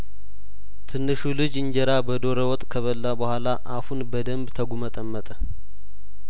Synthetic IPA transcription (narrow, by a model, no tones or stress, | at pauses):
t̪ʰɨnːɨʃulɨd͡ʒɨɲd͡ʒɛɾabəd̪o̞ɾəwɔt̪ʼkʰəβəlːabəhʷalaʔafunbəd̪əmbt̪ʰəɡumət̪ʼəmːət̪ʼə